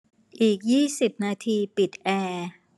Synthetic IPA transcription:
ʔiː˨˩k̚jiː˥˩si˨˩p̚naː˧t̪ʰiː˧pi˨˩t̪̚ʔɛː˧

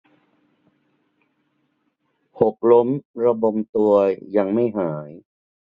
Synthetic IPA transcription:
ho˨˩k̚lo˦˥mɾa˧bo˧mt̪u˧əjja˧ŋma˥˩jɦaː˩˦j

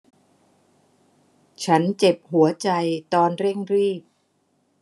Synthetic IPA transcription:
t͡ɕʰa˦˥nt͡ɕe˨˩p̚hu˩˦ɐt͡ɕa˧jt̪ɔː˧nɾe˥˩ŋɾiː˥˩p̚

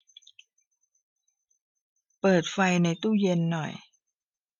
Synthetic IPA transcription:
pɤː˨˩t̪̚fa˧jna˧jt̪uː˥˩je˧nːɔ˨˩j

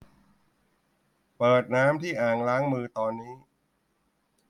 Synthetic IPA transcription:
pɤː˨˩t̪̚naː˦˥mt̪ʰiː˥˩ʔaː˨˩ŋlaː˦˥ŋmɯː˧t̪ɔː˧nːiː˦˥

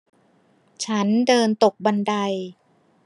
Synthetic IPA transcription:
t͡ɕʰa˦˥ndɤː˧nt̪o˨˩k̚ba˧nda˧j

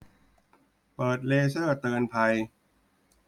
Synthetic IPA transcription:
pɤː˨˩t̪̚leː˧sɤː˥˩t̪ɤː˧npʰa˧j

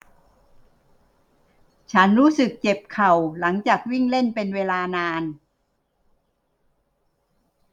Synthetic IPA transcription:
t͡ɕʰa˦˥nɾuː˦˥sɯ˨˩k̚t͡ɕe˨˩p̚kʰa˨˩wla˩˦ŋt͡ɕaː˨˩k̚wi˥˩ŋle˥˩npe˧nweː˧laː˧naː˧n

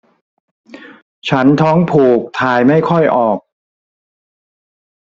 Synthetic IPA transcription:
t͡ɕʰa˦˥nt̪ʰɔː˦˥ŋpʰuː˨˩k̚t̪ʰaː˧jma˥˩jkʰɔ˥˩jʔɔː˨˩k̚

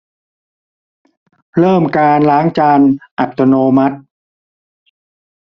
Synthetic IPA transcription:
ɾɤː˥˩mkaː˧nlaː˦˥ŋt͡ɕaː˧nʔa˨˩t̪ːo˧noː˧ma˦˥t̪̚

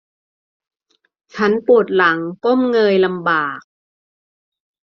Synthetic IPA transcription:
t͡ɕʰa˦˥npu˨˩ət̪̚la˩˦ŋko˥˩mŋɤː˧jla˧mbaː˨˩k̚

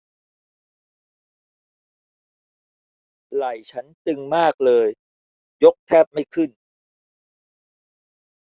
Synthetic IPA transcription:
la˨˩jt͡ɕʰa˦˥nt͡ɕ̪ɯ˧ŋmaː˥˩k̚lɤː˧j | jo˦˥k̚t̪ʰɛː˥˩p̚ma˥˩jkʰɯ˥˩n

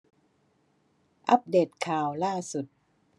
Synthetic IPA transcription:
ʔa˦˥p̚deː˨˩t̪̚kʰaː˨˩wlaː˥˩su˨˩t̪̚

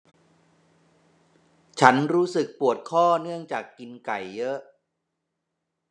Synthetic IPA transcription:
t͡ɕʰa˦˥nɾuː˦˥sɯ˨˩k̚pu˨˩ət̪̚kʰɔː˥˩nɯ˥˩əŋt͡ɕaː˨˩kːi˧nka˨˩jːɤ˦˥ʔ

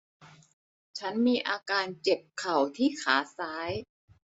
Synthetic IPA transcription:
t͡ɕʰa˦˥nmiː˧ʔaː˧kaː˧nt͡ɕe˨˩p̚kʰːa˨˩wt̪ʰiː˥˩kʰaː˩˦saː˦˥j

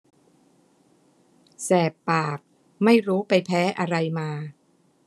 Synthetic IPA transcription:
sɛː˨˩pːaː˨˩k̚ | ma˥˩jɾuː˦˥pa˧jpʰɛː˦˥ʔa˧ɾa˧jmaː˧

